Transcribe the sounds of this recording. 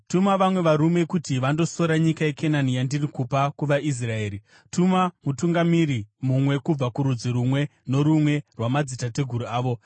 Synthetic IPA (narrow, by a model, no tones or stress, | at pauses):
tumaʋamwe̞ʋaɾume̞kutiʋando̞so̞ɾaɲikaje̞kʰenanijandirikupakuʋaʔis̬rae̞ːɾi | tumamutuŋɡamiɾimumwe̞kub͡vakuɾud͡ziɾumwe̞no̞ɾumwe̞rwamad͡zitate̞ɡʱuɾuaːʋo̞